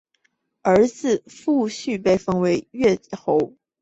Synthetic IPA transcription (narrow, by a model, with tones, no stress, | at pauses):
ə˞˧˥d͡zɹ̩˥˧˨fu˥˧ɕy˥˧pe˥˩ɪfɤ˥ŋwe˧˥ɪɥɛ˥˩xo˧˥ʊ